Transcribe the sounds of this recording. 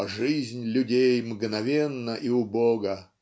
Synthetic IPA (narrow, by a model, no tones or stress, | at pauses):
ʐɨzʲnʲlʲʊdʲejmɡnɐvʲenːəʔiʊboɡə